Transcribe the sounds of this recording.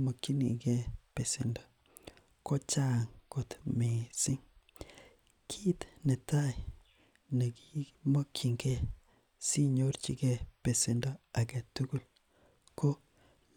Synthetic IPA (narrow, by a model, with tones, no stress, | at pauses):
mo˨ki˦nḭ˨ɡe˦pe˨sɪ˨ndo˨ | ko˦t͡ʃa˦ŋko˨t̪me˨sɪ˦ŋ | kʰi˦t̪nɛ˨ta˦ɪ˨ | na˨ɡi˦mo˦kʰi˨ŋɡe˦ | si˦ɲo˦ɾt͡ʃḭ˨ɡe˦pe˨sɪ˨ndo˦a˨ɡe˨tu˦ɡu˦l | ko˦